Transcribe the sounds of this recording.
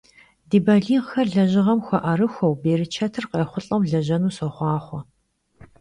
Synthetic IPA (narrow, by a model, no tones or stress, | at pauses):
diːbɐɮiːʁxɐrɮɐʑɪʁɐmxʷɔʔɐɾɨxʷɔwbeːɾɨt͡ʃʰɐtʰɨrqejχʷʊɬʼɐwɮɐʑɐnuːsɔχʷɑːχʷɔ